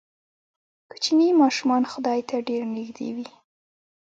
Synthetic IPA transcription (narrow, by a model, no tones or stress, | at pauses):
kə̥t͡ʃinimɑʃumɑnxʊd̪ɑjt̪aɖeɾnɪɡd̪ḛwi